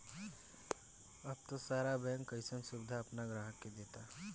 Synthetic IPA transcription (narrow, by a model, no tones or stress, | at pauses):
əb̚t̪osaːɾabɛ̃ːŋkːəɪsəmsʊbd̪ʱaɐpnaɡɾaːɦəkːed̪eːt̪a